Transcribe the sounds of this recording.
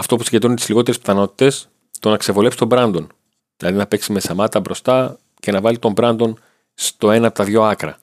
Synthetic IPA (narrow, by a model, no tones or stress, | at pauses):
ɐft̪o̞pu̥siɟet̪ɾunet̪izliɣo̞t̪eɾespθɐno̞t̪i̥t̪e̞s | t̪o̞nɐkse̞vo̞le̞psi̥t̪o̞mbɾɐnd̪o̞n | ðilɐðinɐpe̞ksime̞sɐmɐt̪ɐbɾo̞st̪ɐ | ce̞nɐvɐlit̪o̞mbɾɐnd̪o̞n | st̪o̞e̞nɐːp̚t̪ɐðʝo̞ɐkɾɐ